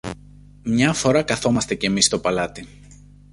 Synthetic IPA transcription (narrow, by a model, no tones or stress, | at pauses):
mɲɐfo̞ɾɐkɐθo̞mɐst̪e̞ce̞mist̪o̞pɐlɐt̪i